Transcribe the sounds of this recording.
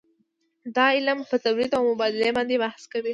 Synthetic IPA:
d̪ɑɪlampət̪awɾid̪awmʊbɑd̪ɪlebɑnd̪ebahskawi

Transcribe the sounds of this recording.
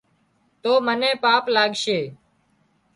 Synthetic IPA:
t̪oːmənẽːpaːplaːɡʃeː

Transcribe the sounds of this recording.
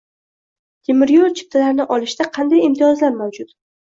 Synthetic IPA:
t̪ʰʲemɪɾjoɾt͡ʃʰɪ̥p̚t̪ʰalaɾnɪʔɒlɪʃd̪aqʰɑnd̪ajɪmt̪ʰijɒzlaɾmawd͡ʒʊt̪

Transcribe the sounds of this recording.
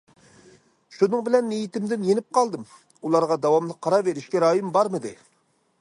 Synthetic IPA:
ʃunɨŋbɪlɛnːijit̪ɪmd̪ɪnjenɪp̚qʰɑlˠd̪ɨm | ulˠɑɾʁɑd̪ɑwɑmlˠɨqʰːɑɾɑveɾɪʃkʲɛɾɑːjɨmbɑɾmɨd̪ɪ

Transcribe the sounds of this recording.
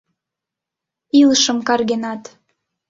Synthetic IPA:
iləʃə̆mkɑrɣenɑt̪

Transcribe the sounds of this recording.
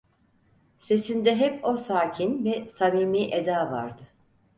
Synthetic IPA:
se̞sind̪ɛɦɛpo̞saːcʰinvɛsamiːmiːʔed̪aːva̰ɾd̪ɯ

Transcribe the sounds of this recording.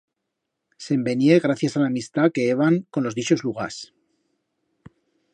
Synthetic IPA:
se̞mbe̞nje̞ɣɾaθjasalaːmist̪ake̞eβaŋko̞nlo̞zðit͡ʃo̞zluɣ̞a̰s

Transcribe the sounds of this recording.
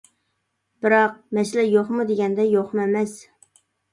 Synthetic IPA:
b̥ɪɾɑq̚mɛslɛjoχmud̪eɡʲɛnd̪ɛjoχmʊemɛs

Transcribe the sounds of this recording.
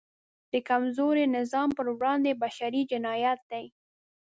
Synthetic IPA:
d̪̥əkamzoɾenɪzɑmpəɾwɽɑnd̪ebaʃaɾid͡ʒɪnɑjat̪̚d̪aj

